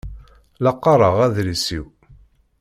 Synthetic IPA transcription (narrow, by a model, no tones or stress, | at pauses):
lɑqːɑɾˤəʁæðɾisiw